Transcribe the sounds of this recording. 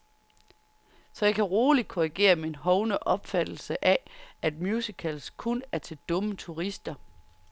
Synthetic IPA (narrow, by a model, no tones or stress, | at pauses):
sɒ̽jɑ̈ɪkʰæʁoːlid̥̚kʰoʁiɡ̥e̝̰ːɐmee̝nɦɒ̽ʊnəʔɒ̽b̥fæd̥l̩səʔææd̥̚mjuːsikʰælskʰonæɐt͡sʰe̝ld̥ɔ̽mət͡sʰuʁisd̥ɐ